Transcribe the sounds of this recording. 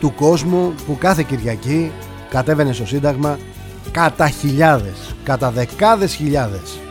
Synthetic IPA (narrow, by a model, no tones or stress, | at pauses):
t̪uko̞zmupukɐθe̞ciɾʝɐci | kɐt̪e̞ve̞ne̞st̪o̞sind̪ɐɣmɐ | kɐt̪ɐçiʎɐðe̞skɐt̪ɐðe̞kɐðe̞sçiʎɐðe̞s